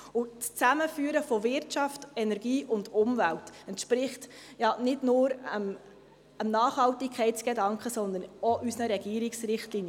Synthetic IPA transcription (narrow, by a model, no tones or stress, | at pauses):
ʊt͡st͡sæməfyəɾəfɔvɪɾtt͡ʃɑftɛnɛɾɡiːʔʊndʊmvæltɛntʃpɾɪχtjɑnɪdnʊːɾəm | əmnɑːχhɑltikʰɛɪtt͡sɡ̥ɛdɑŋkχəsɔnd̪ənoʔysnəɾɛɡ̥iəɾiksrɪχtlinjə